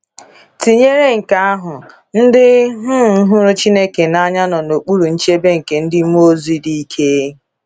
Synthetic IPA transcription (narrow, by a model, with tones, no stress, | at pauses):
ti˨ɲe˦ɾe˦ŋ̩˨ka˦a˦ɦʊ˨ | n̩˦dɪ˦ɦʊ˦˨˦ɦʊ˦ɾʊ˦t͡ʃi˦ne˦ke˨na˦ɲa˦nɔ˨no˨k͡pu˦ɾu˨n̩˦t͡ʃe˦be˦ŋ̩˨ke˨n̩˦dɪ˦o˦zi˦di˦i˦kʰe˦